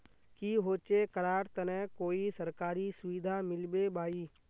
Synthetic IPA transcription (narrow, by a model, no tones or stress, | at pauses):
kiɦoːt͡ʃekəɾaːɾt̪ənɛ̃koːisəɾkaːɾisʊʋɪd̪ʱamɪlbebaːiː